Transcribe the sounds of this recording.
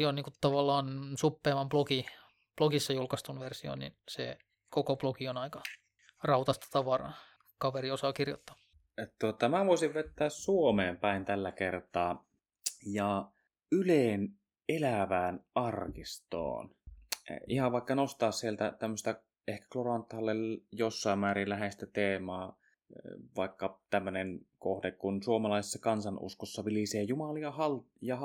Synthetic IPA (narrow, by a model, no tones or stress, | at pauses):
oniːŋkut̪ɑʋɑlːɑːnsupːeːmɑmploki | ploɡisːɑjulkɑst̪unʋersio̰nnḭnsḛ | kokoplokionɑikɑ | rɑut̪ɑst̪ɑ̥t̪ɑʋɑrɑ̰ | kɑʋeriosɑːkirjo̰t̪ːɑ̥ː | t̪uot̪ɑmæʋoisiʋʋet̪ːæːssuomeːmpæint̪ælːækert̪ɑː | jɑ | yleːn | elæʋæːnʔɑrkist̪o̰ːn | ihɑʋʋɑˑikːɑnost̪ɑːssielt̪æt̪æmːøst̪æ | ehkæ̥klorɑnt̪ːˑhɑlːeljosːɑˑimmæːɾillæhest̪æt̪eːmˑɑː | ʋɑˑikːɑt̪æmːønenkohdekkunsuomɑlɑˑisesːɑkɑnsɑnʔṵskosːɑʋiliseːjumɑliɑhɑl | jɑ